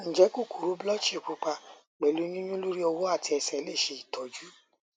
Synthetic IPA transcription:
n̩˨d͡ʒɛ˨˦ku˦˨ku˨ɾu˨˦blɔ˦t͡ʃi˦˨k͡pu˨˧k͡pa˧ | k͡pɛ˨lu˨˦nĩ˦nũ˦lu˦ɾi˦ɔ˧wo˦a˦˨ti˧ɛ˧sɛ˦˨˦le˦˨ʃe˨˧i˨tʰɔ˨d͡ʒu˨˦

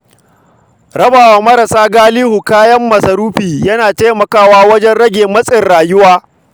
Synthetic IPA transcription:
ɾɐ˦baː˨waː˨mɐ˦ɾɐ˨saː˦ɡaː˦liː˦hu˨kaː˦jɐ˦mːɐ˨sɐ˨ɾuː˦ɸiː˨jɐ˦naː˨taː˦jmɐ˨kaː˦waː˦wɐ˦d͡ʒɛ˦nɽɐ˦ɡʲeː˨mɐ˦sʼɪ˨rɽaː˨jʊ˦waː˦

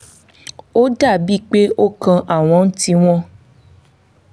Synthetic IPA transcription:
o˦da˦˨bi˦˨k͡pe˦o˦kã˧ʔa˨w̃ɔ̃˨˧˦n̩˦ti˧w̃ɔ̃˦

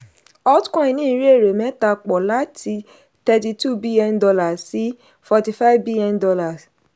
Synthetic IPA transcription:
ɔ˦tkɔ̃˦ĩ˨nĩ˦i˨˧˦ɾi˦e˦˨ɾe˨mɛ̃˨˦ta˧k͡pɔ˨la˦tʰi˧ | tɛ˧ti˧tu˦bi˦lɛ̃˧ndɔ˧la˨si˨˦ | fɔ˧ti˧fa˦i˦vbi˦lɔ̃˧ndɔ˧la˨s

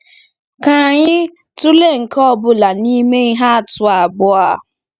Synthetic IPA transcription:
ka˨ɲɪ˦ | tʊ˦le˦˨ŋ̩˨kɔ˦˨bʊ˦la˨ni˦me˦i˦ɦa˦a˨tʊ˦a˨ɡ͡bʊ˦a˦˨

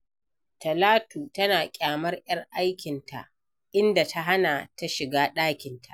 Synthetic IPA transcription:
tɐ˨laː˦tuː˨tɐ˦naː˨kʲʼaː˨mɐ˦rjɐ˦rʔa˦jkʲɪ˨ntʰa̰˨ʔ | ʔɪ˦nda˨tʰa˦ɦa˦na˨ta˦ʃɪ˨ɡaː˦ɗaː˦kʲɪ˨ntʰa̰˨ʔ

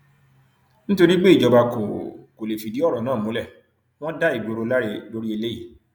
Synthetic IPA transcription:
ñ̩˦to˧ɾi˦ɡ͡be˦i˦˨d͡ʒɔ˧ba˧ko̰˨ko˨le˨fi˨˧di˨˦ɔ˦˨ɾɔ̃˨nãː˦˨mũ˨˦lɛ˦˨ | w̃ɔ̃˦da˦i˨ɡ͡bo˨˧ɾo˨˧la˦ɾe˧lo˦ɾi˦e˧le˦ji˦˨

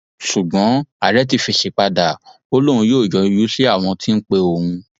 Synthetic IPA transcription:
ʃu˨ɡ͡bɔ̃˨˦a̰˦˨ɾɛ˨˦t̬i˧fi˧ʃe˧k͡pa˧da˨ | o˧lo˦ɾ̃ũ˧jo˦˨d͡ʒɔ˧i˧ju˦ʃe˦a˦˨w̃ɔ̃˧tʰĩ˦n̩˦k͡pe˧o˨hũ˧

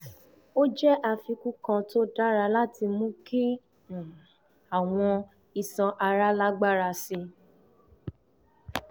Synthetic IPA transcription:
o˦d͡ʒɛ˦ʔa˧fi˧ku˦kã˧to˦da˦ɾa˧la˦ti˧mũ˦ki˦˨ | a˨w̃ɔ̃˧ | i˨sã˧ʔa˧ɾa˦la˦ɡ͡ba˦˨ɾa˧si˧

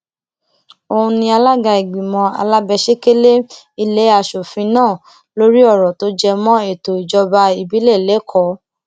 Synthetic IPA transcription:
o˧hũ˧nĩ˧a˧la˦ɡa˧i˨ɡ͡bĩ˨mɔ̃˧a̰˧la˦bɛ˧ʃe˦ke˦le˦ | i˦˨le˨˦a˧˨ʃo˨fĩ˧nãː˦˨ | lo˦ɾi˦ɔ˦˨ɾɔ˨to˨˦d͡ʒɛ˧mɔ̃˦e˦˨to˨i˨d͡ʒɔ˧ba˧i˨bi˨˦le˦˨le˨˦kʰɔ˨˦

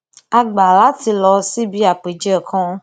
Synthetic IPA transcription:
a˧ɡ͡ba˨la˨˦ti˧lɔ˧si˦bi˦a˨k͡pe˨d͡ʒɔ˦˨kʰɔ̃˦

